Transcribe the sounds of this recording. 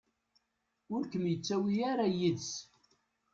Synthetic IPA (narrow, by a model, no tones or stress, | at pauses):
ʊɾkəmjət͡sːæwiaɾajiðs